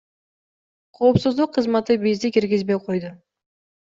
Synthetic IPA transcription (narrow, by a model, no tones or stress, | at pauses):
qʰo̞ːpsuzd̪uqʰːɯzmɑt̪ɨbizd̪ɪkʲiɾɡʲizbe̞jqʰo̞jd̪ʊ